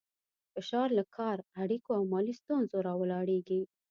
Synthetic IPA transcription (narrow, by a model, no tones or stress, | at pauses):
fɪʃɑɾlakʰɑɾaɽikoawmɑlist̪unzoɾɑwəlɑɽeɡi